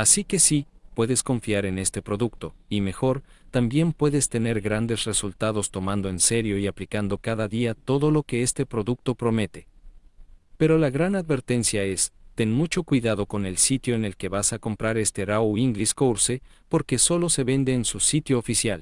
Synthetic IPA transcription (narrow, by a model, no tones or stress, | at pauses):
asike̞sipwe̞ðe̞sko̞ɱfjaɾe̞ne̞st̪e̞pɾo̞ðukt̪o̞ime̞xo̞ɾ | t̪ambje̞mpwe̞ðe̞st̪e̞ne̞ɾɣɾand̪e̞sre̞sult̪að̞o̞st̪o̞mãnd̪o̞e̞nse̞ɾjo̞iaplikand̪o̞kaðaðiat̪o̞ðo̞lo̞ke̞e̞st̪e̞pɾo̞ðuk̚t̪o̞pɾo̞me̞t̪e̞̥ | pe̞ɾo̞laɣɾanaðβe̞ɾt̪e̞nsjae̞st̪e̞nmut͡ʃo̞kwiðaðo̞ko̞ne̞lsit̪jo̞ene̞lke̞βasako̞mpɾaɾe̞st̪eɾawiŋɡliskowɾsepo̞ɾke̞so̞lo̞se̞βe̞nd̪e̞ːnsusit̪jo̞ːfisjal